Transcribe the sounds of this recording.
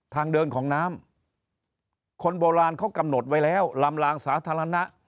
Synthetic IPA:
t̪ʰaː˧ŋdɤː˧nkʰɔː˩˦ŋnaː˦˥m | kʰo˧nboː˧ɾaː˧nkʰa˦˥˩wka˧mno˨˩t̪̚wa˦˥jlɛː˦˥˩wla˧mlaː˧ŋsaː˩˦t̪ʰaː˧ɾa˧na˦˥ʔ

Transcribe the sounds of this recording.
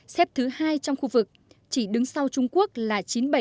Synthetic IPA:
sɛ˦˥p̚t̪ʰɨ˨˦haː˧jt͡ɕɔ˧wŋ͡mxu˧vɨ˨˩k̚t͡ɕi˧˩ɗɨ˨˦ŋsa˧wt͡ɕʊ˧ŋ͡mku˦˥ək̚laː˨˩t͡ɕi˨˦nɓə˧˩

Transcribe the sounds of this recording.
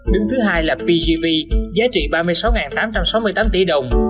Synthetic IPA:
ɗɨ˨˦ŋt̪ʰɨ˨˦ɦaː˧jlaː˨˩pi˧zi˧vi˧zaː˨˦t͡ɕḭ˧˨ɓaː˧mɨ˧əjsa˨˦wŋaː˨˩nt̪aː˨˦mt͡ɕa˧msa˨˦wmɨ˧əjt̪aː˨˦mt̪ḭ˧˩ɗə˨˩wŋ͡m

